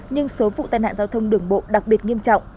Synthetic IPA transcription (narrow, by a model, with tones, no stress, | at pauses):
ɲɨ˧ŋso˨˦vṵ˧˨t̪aː˨˩jna̰ː˧˨zaː˧wt̪ʰə˧wŋ͡mɗɨ˨˩əŋɓo̰˧˨ɗa˨˩k̚ɓi˨˩ət̚ŋi˧əmt͡ɕɔ̰˧˨wŋ͡mʔ